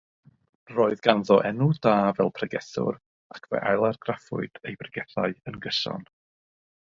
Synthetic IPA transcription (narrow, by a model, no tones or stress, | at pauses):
roːɨðɡanðɔʔɛnʊdaːvɛlˠpʰrɛɡɛθʊ̰r | akʰvɛ̰ʔalˠarɡ̥rafʊ̰ɨd̥ejbrɛɡɛθaɨənɡəsɔ̰n